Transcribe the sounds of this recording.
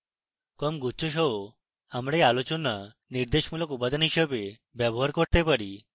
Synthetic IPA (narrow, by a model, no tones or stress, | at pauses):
kɔmɡʱut͡sɔɕ̬ɔw | amɽealot͡ɕɔna | niɾd̪eɕmuləkupad̪niɕəbe | bjabɔɦaɾkɔɽt̪epəɽi